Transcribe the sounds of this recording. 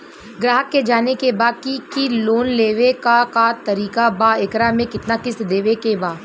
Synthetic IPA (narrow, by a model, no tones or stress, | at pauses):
ɡɾaːɦəkːed͡ʒaːnekebaːd̪̚kikiloːnleːʋekakat̪ɐɾiːkabaɪkɾamẽkɪt̪nakɪsd̪eːʋekebaː